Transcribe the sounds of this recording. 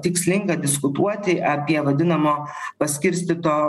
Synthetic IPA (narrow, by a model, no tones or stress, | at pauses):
t̪ʲɪksʲlʲɪŋɡɐd̪ʲɪskʊt̪uɔt̪ʲɪʔɐpʲiɛʋɐd̪ʲɪnɐmoː | pɐsʲkʲɪɾʲsʲt̪ʲɪt̪oː